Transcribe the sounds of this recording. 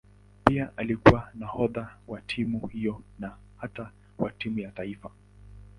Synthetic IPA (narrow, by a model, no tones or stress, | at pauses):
piaʔalikuwanahɔðawatʰimuhijɔna | hata | watimujataifa